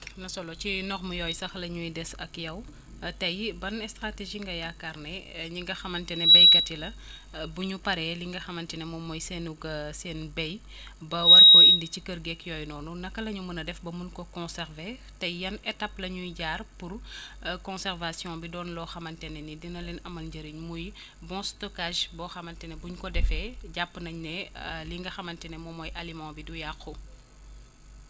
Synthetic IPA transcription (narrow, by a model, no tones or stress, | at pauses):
nɐsɔlɔcinɔxmujɔjsɐxlɐɲujdɛsɐkjɐw | tɐjbɐnɛstɾateʒiŋɡɐjakarnɛɲiŋɡɐxɐmɐntɛnɛbɛjkɐtilɐ | buɲupɐɾɛliŋɡɐxɐmɐntɛnɛmɔmːɔjsɛːnuɡɐsɛːnbɛj | bɐwɐrkɔʔindicikəɾɡɛkjɔːjnɔːnunɐkːɐlɐɲumunɐdɛfbɐmunkɔkɔ̃nsɛɾve | tɐjjɐnɛtapːlɐɲujɟaːrpurkɔ̃sɛrvasjɔ̃bidɔːnlɔxɐmɐntɛnɛnidinɐlɛnɐmɐlɟəɾiɲmuj | bɔ̃stɔkaʒbɔxɐmɐntɛnɛbuɲkɔdɛfɛɟapːnɐɲnɛliŋɡɐxɐmɐntɛnɛmɔmɔjʔɐlimãbidujaxu